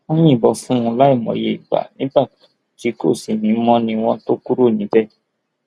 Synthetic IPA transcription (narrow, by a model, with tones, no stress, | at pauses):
õ˦j̃ĩ˦˨bɔ˧fũ˦ɔ̃˧la˦i˦˨mɔ̰̃˨jḛ˧˦i˨ɡ͡ba̰˨nĩ˨˦ba˦˨ | ti˨˦ko̰˦˨si˨mĩ˨˦mɔ̃˧nĩ˧w̃ɔ̃˧to˦ku˦ɾo˦˨nĩ˨˦bɛ˦